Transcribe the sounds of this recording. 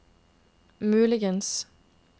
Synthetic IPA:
mʉːlɪɡəns

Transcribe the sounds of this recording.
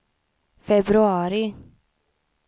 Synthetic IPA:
fɛbɾʉɑːɾɪ

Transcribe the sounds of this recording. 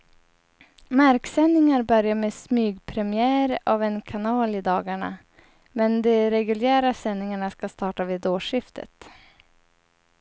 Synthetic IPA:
maɾksɛnːɪŋaɾbœɾjameːsmyːɡpʰɾɛmɪæːɾavɛnkʰanɑːlɪd̪ɑːɡaɳa̰ | mɛnd̪ɛɾɛɡɵljæːɾasɛnːɪŋaɳaskast̪ɑːʈaviːd̪oːʂɪft̪ʰə̰t̪

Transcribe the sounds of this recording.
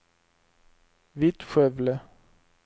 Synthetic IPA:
vɪt̪ɧœvlə

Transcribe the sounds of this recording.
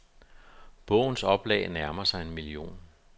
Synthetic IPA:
b̥ɔ̰̽ʊ̰n̩sɒ̽b̥lɛ̰ɪnæɐmɐsɑ̈ɪe̝nmilio̝̰ːn

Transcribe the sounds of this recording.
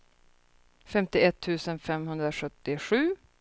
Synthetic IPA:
fɛmt̪ɪɛt̪ʰːʉ̟ːsənfɛmɦɵnd̪ɾaɧɵt̪ːɪɧʉ̟ː

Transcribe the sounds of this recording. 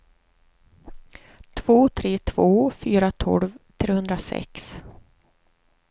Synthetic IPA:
t̪ʰvoːt̪ʰɾeːt̪ʰv̥oːfyːɾat̪ʰɔ̰lvt̪ʰɾeːhɵnd̪ɾasɛ̰ks

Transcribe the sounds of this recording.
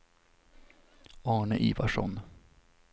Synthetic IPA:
ɑːɳəʔḭːvaʂɔ̰n

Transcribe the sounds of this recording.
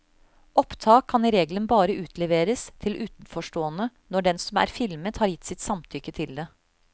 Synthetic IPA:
ɔpt̪ʰɑːkʰːɑniɾeːɡlənbɑːɾəʉːt̪ʰlɛʋeːɾəst̪ʰɪlʔʉːt̪n̩fɔʂʈoːənənɔɖɛnsɔmæ̰ːɾfɪlmət̪hɑɾjɪt̪ːsɪt̪sɑmt̪ʰʏkːət̪ʰɪld̪ɛ

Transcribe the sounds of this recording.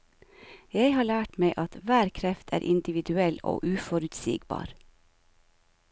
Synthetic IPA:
jæɪhɑːɭæːʈmeɪʔɑt̪ʋæːɾkʰɾɛft̪ʰæ̰ːɾʔɪnd̪ɪʋɪd̪ʉɛlo̰ːʔʉːfɔɾʉt̪sḭːɡbɑ̰ːɾ

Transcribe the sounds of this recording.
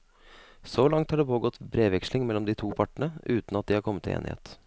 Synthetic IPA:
soːlɑŋt̪hɑɖeːpʰoːɡɔt̪bɾeːʋɛkslɪŋmɛlːɔmd̪ɪt̪ʰuːpʰɑʈəɳəʉːt̪n̩ɑt̪̚d̪ɪhɑɾkʰɔmːət̪ʰːɪ̰ḛːnɪhḛːt̪

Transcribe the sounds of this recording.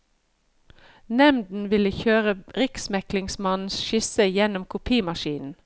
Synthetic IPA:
nɛmd̪n̩ʋɪləçøːʁəʁɪksmɛklɪŋsmɑnn̩sʃɪsəjɛnʊmkʰʊpʰiːmɑʃiːnn̩

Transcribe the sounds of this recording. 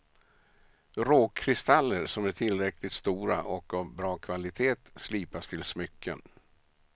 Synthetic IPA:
ɾoːkʰːɾɪst̪alːəɾʂɔmæʈʰɪlɾɛklɪt̪st̪uːɾa̰ʔɔkavbɾɑːkʰvalɪt̪ʰeːt̪sliːpast̪ʰɪlsmʏkːə̰n

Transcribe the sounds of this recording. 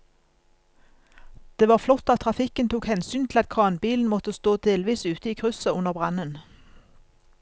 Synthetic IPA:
d̪̥eːʋɑːʁflɔt̪ːɑt̪ʰʁɑfɪkənt̪ʰuːkhɛnsyːnt̪ʰl̩ɑt̪̚kʰɑːnbiːln̩mɔt̪əst̪oːd̪eːlʋiːsʉːt̪əiːkʰʁʉsəʊnəʁbʁɑnən

